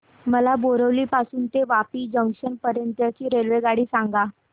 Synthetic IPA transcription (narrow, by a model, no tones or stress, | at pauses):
məlaboɾəʋliːpasuːnt̪eʋapiːd͡ʑəŋkɕənpəɾjənt̪jat͡ɕiːɾelʋeɡaɽiːsãŋɡa